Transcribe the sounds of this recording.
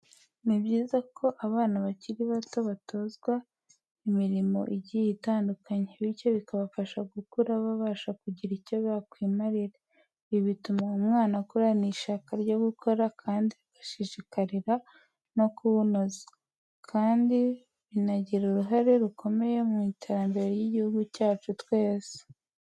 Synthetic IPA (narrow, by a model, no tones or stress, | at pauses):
nibɟiːzakʰo̞ʔaβaːnaβaciɾiβato̞βato̞zɡwa | imiɾimo̞̰ʔiɟijitaːndukaɲeβico̞βikaβafaʃaɡukuɾaβaβaːʃakuɟiɾico̞βjakwiːmaɾiɾe | βiβitumaumŋaːnakuɾaniːʃakaɾɟo̞ɡukʰo̞ɾakʰaːndiβiɡaʃiʃikaɾiɾa | no̞kuβunozḁ | kʰaːndi | βinaɟiɾuɾuɦaɾe̞ɾukʰo̞me̞je̞mumitʰeɾambeɾejiɟihuɡucaːt͡ʃutwe̞ːze̥